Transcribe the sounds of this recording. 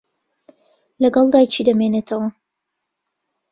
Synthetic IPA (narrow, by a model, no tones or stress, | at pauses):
lɐɡɑlˠd̪aːjt͡ʃʰid̪ɐmeːnet̪ʰɐwɐ